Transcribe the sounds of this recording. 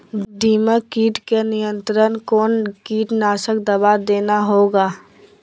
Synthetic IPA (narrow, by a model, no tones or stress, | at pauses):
ɖiːməkiːʈkenɪjə̃nt̪ɾənkoːnkiːʈnaːʃəkd̪əbad̪eːnaɦoːɡaː